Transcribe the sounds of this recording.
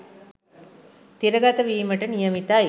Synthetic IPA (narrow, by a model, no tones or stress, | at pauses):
t̪iɾəɡat̪əʋiːməʈənijəmit̪aː